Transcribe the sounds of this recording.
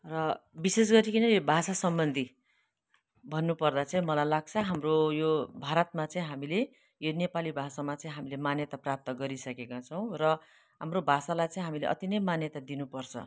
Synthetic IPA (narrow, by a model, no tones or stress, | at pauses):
rʌbises̬ɡʌɾikinʌobʱasasʌmbʌnd̪ʱi | bʱʌnːupʌrd̪at͡saĩmʌlajlaɡ̚t͡sʰʌɦamrojobʱaɾʌt̪̚mat͡saĩɦamile | jonepalibʱasamat͡saĩɦamilemanjʌt̪aprap̚t̪ʌɡʌɾisʌkekat͡sʰʌw̃rʌ | ɦamrobʱasalajt͡sãĩɦamilḛʔʌ̰t̪inʌjmanjʌt̪ad̪inupʌrt͡sʰʌ̰